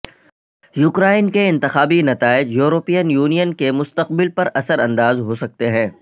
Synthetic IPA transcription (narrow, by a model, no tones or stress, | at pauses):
juːkɾaːɪnkeɪ̃nt̪ɪxaːbinɐt̪aːɪd͡ʒjuːɾoːpijənjuːnijənkemʊst̪əq̚bɪlpɐɾɐsəɾɐ̃nd̪aːzɦosɐk̚t̪eɦɛ̃ː